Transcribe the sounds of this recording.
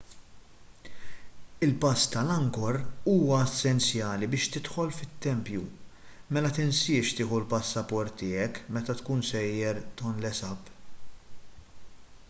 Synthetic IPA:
ɪlpɐst̪ɐlɐŋɡɔɾuːwɐɛsːɛnt͡sjɐːlibɪːʃt̪ɪt̪ħɔlfɪt̪ːɛmpjumɛlɐt̪ɪnsɪːʃt̪ɪːħulpɐsːɐpɔɾt̪ːɪːɛkːmɛt̪ɐt̪kuːnsɛjːɛɾt̪ɔnlɛsɐp

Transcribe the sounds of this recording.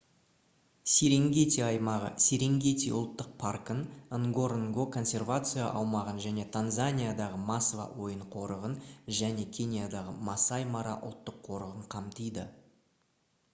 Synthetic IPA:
seɾe̞ŋɡʲe̞t̪iɑjmɑʁə̰seɾe̞ŋɡʲe̞t̪iʊlˠt̪ːəq̚pʰarkənəŋɡo̞ɾŋɡokʰo̞nsʲe̞rvat̪sɨjaʔɑwmɑʁənʒæne̞t̪ʰanzanʲijad̪ɑʁəmasvɑ̰wo̞jəɴqʰo̞ɾəʁənʒæne̞kʲʰe̞nʲijad̪ɑʁəmasajmɑɾɑ̰ʔʊ̰lˠt̪ːəqʰːo̞ɾəʁəɴqʰɑmt̪əjd̪ə

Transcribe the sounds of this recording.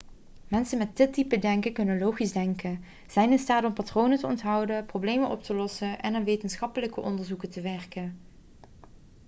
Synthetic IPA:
mɛnsənmɛt̚dɪtipədɛŋkəkɵnənlowχizdɛŋkən | z̥ɛjnɪnstaːdɔmpatrownətəɔntɦɑwdəprowblejmənʔɔp̚təlɔsənɛnanʋejtənsχɑpələkəʔɔndəɹzukətəʋɛɹkən

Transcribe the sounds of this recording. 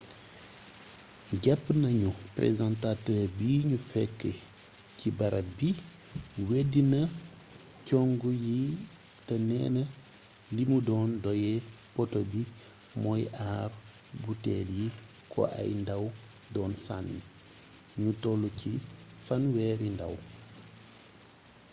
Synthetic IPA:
ɟɛpːnɐɲuprḛzantatəːɾbiːɲufɛkːə | cibɐɾɐbi | wedinɐ | cɔŋɡuji | tɐnɛ̰ːnɐ | limudɔːndɔjɛ | pɔtobi | mɔjaːr | butɛːlji | kʰɔ̰ʔɐ̰jndɐw | dɔːnsanːḭ | ɲutɔlːucifɐnwɛːɾindɐ̰w

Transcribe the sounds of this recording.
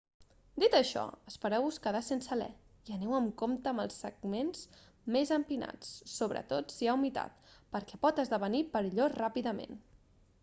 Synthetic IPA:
d̪it̪əʃɔ̰əspəɾɛwuskəðasensəlɛ̰ | iənɛwəmkomt̪əːmə̰lˠsːəɡ̚menz | mezəmpina̰t͡sːoβɾə̰t̪ot̪siawmit̪a̰t̪̚pəɾkɛpɔt̪əzðəβənipəɾiʎorapiðəmḛn

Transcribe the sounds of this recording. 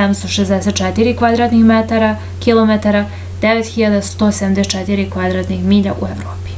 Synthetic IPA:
amst̪oʃezd̪ɛset̪t͡ʃɛt̪iɾikʋad̪ɾaːt̪nixmet̪aɾa | kilˠomet̪aɾa | d̪eʋet̪xiʎad̪ast̪osed̪amd̪et͡ʃɛt̪iɾikʋad̪ɾaːt̪nixmiːʎaʔueʋɾoːpi̥

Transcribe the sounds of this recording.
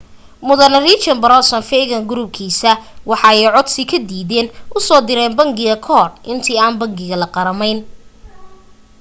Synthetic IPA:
mʊðɐnɐriːt͡ʃɐnbɐɾɔsɔnfɛɣɐŋɡʊɾub̚kʰiːsɐwɑħɑɛjʕɔd̪sɪkʰɐd̪iːðɛːnʔʊsɔːd̪ɪɾɛːnbɐŋɡɪɣɐkʰɔːrʔɪnt̪ʰiːaːnbɐŋɡɪɣɐlɐqɑɾɐmɛjn

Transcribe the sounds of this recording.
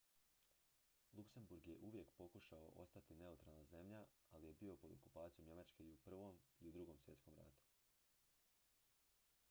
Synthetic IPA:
lˠukse̞mbuɾɡje̞ʔuʋje̞kpo̞kuʃao̰ʔo̞̰st̪at̪ine̞ut̪ɾalˠnaze̞mʎaalije̞bio̞po̞d̪o̞̰ku̥paːt̪sijomɲe̞mat͡ʃke̞iupr̩ʋo̞miud̪ɾuɡo̞msʋje̞t̪sko̞mɾa̰ːt̪u̥

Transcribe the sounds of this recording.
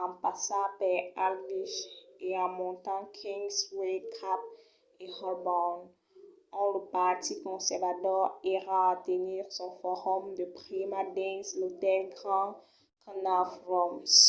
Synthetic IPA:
ɑ̃pasapɛalviʃeãmɔ̃t̪ãkʰĩŋswekʰap̚ | ehɔlbɔn | ɔ̃ləpaʁt̪ikɔ̃sɛʁvat̪ɔʁiʁãːt̪əniːʁsɔ̃fɔʁɔmd̪əpʁimad̪ɛ̃slot̪ɛlɡʁɑ̃ | kənafʁɔms

